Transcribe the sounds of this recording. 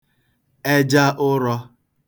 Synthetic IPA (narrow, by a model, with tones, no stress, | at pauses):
e˦d͡ʒa˦ʔʊ˦ɾɔ˦